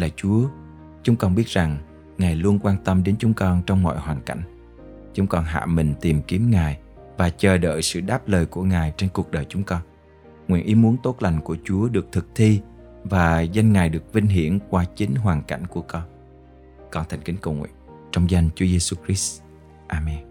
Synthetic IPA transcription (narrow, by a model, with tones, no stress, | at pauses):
la̰ː˧˨t͡ɕu˨˦ə | t͡ɕʊ˨˦ŋ͡mkɔ˧nɓi˦˥ət̚za˨˩ŋ | ŋaː˨˩jlu˧ənkwaː˧nt̪ə˧mɗe˨˦nt͡ɕʊ˨˦ŋ͡mkɔ˧nt͡ɕɔ˧wŋ͡mmɔ̰˧˨jhwaː˨˩nka̰˧˩jŋ̟ | t͡ɕʊ˨˦ŋ͡mkɔ˧nɦa̰ː˧˨mï˨˩ŋ̟t̪i˨˩mki˨˦əmŋaː˨˩j | vaː˨˩t͡ɕəː˨˩ɗə̰ː˧˨jsɨ̰˧˨ɗaː˦˥p̚ləː˨˩jku˧˩əŋaː˨˩jt͡ɕe˧nku˨˩ək̚ɗəː˨˩jt͡ɕʊ˨˦ŋ͡mkɔ˧n | ŋwḭ˧˨ənʔi˨˦mu˨˦ənt̪o˦˥t̚la˨˩jŋ̟ku˧˩ət͡ɕu˨˦əɗɨ˨˩ək̚t̪ʰɨ˨˩k̚t̪ʰi˧ | vaː˨˩zə˧jŋŋaː˨˩jɗɨ˨˩ək̚vï˧ŋ̟ɦḭ˧˩ənkwaː˧t͡ɕï˨˦ŋ̟ɦwaː˨˩nka̰˧˩jŋ̟ku˧˩əkɔ˧n | kɔ˧nt̪ʰa˨˩ŋ̟kï˨˦ŋ̟kə˧˩wŋwḭ˧˨ət͡ɕɔ˧wŋ͡mza˧jnt͡ɕu˨˦əze˧su˧kɾi˦˥s | ʔaː˧mɛ˧n